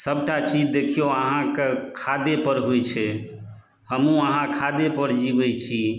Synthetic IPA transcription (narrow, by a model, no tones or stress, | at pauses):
səbʈat͡ʃid͡ʒd̪ekʰijoəɦãkekʰad̪epəɾɦojt͡ʃʰɛ | həmũəɦãkʰad̪epəɾd͡ʒibɛjt͡ʃʰi